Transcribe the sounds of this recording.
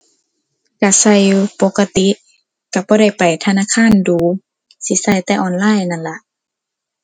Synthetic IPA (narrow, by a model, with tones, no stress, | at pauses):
ka˧˩sa˧˩˨jpo˧˦kːa˧t̪i˧˦ | ka˧˩bɔː˧ɾa˧˥˩jpa˨˩jt̪ʰa˧naː˧˥˨kʰaː˧˥˨nduː˨˦ | si˧˦sa˧˩jt̪ɛː˧ʔɔː˧˩˨nlaː˧˥˨jna˧˨nla˧˦ʔ